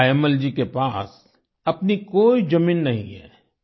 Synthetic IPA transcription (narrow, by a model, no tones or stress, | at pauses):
ɛməld͡ʒikepaːs | ɐpnikoːid͡ʒɐmĩːnːɐɦḭ̃ɦɛ̰ː